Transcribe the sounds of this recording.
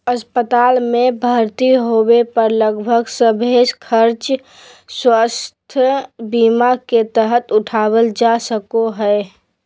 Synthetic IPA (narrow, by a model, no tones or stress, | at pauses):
əspət̪aːlmẽbʱaɾt̪iɦowepəɾləɡbʱəɡsəbʱeːskʰəɾt͡ʃ | swast̪ʰəbiːmaket̪əɦət̪ʊʈʰaːwəld͡ʒasəkoɦɛː